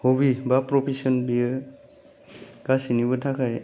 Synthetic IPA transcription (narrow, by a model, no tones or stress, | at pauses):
hobibapɾɔpʰisɔnbijɯ | ɡ̥asinibɔtʰakʰaj